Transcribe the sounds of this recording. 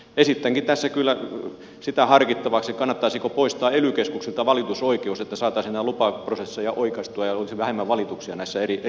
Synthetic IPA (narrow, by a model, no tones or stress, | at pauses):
esit̪ːæŋkitt̪æsːækylːæ | sit̪æhɑrkit̪ːɑʋɑksekɑnːɑt̪ːɑisikopoist̪ɑːelykeskukselt̪ɑʋɑlit̪usoikeuset̪ːæsɑːt̪ɑˑisnt̪ælupɑprosesːejɑʔoikɑst̪uɑjɑolisiʋæhemːæʋʋɑlit̪uksiɑnæisːæerie